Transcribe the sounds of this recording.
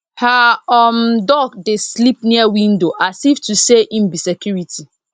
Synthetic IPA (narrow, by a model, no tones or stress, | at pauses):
haɔmdɔɡdeslip̚niawĩndoʔasiftuseʔĩmbisekjuɹitʰi